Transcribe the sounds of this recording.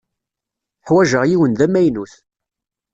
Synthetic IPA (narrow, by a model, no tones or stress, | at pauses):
ħwæʒəʁjiwənðæmæjnuθ